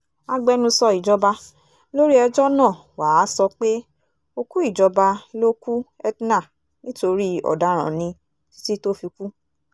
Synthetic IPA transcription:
a˧ɡ͡bɛ˧nũ˧sɔ˧i˨d͡ʒɔ˧ba˧ | lo˦ɾi˦ɛ˧d͡ʒɔ˦nãː˦˨ | wa˨˦sɔ˧k͡pe˦ | o˧ku˦i˦˨d͡ʒɔ˧ba˧lo˦ku˦ɛ˧tnã˦˨ | nĩ˦to˧ɾi˦ɔ̰˨da˨˦ɾ̃ã̰˨nĩ˧ | ti˦to˦fi˧ku˦

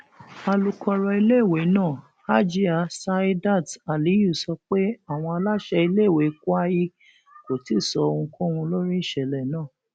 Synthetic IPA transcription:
a˧lu˧kʰɔ˧ɾɔ˧i˧le˦˨we˨˦nãː˦˨ | ha˦d͡ʒi˦a˨sa˧i˦da˦˨ta˨li˨˦ju˦˨sɔ˧k͡pe˦a˦˨w̃ɔ̃˧a˧la˦ʃɛ˧i˧le˦˨we˨˦ku˦a˦ji˦ | ko˨ti˨˦˨sɔ˧o˧ũ˧kɔ̃˦wũ˧lo˦ɾĩ˦i˦˨ʃɛ˨lɛ˨nãː˦˨

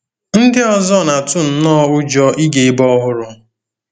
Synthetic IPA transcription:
n̩˦dɪ˦ɔ˦zɔ˦˨na˨tʊ˦n̩˨nɔ˦ʊ˦d͡ʒɔ˦ʔi˦ɡe˨ɪ˦bɔ˦ɦʊ˦ɾʊ˦

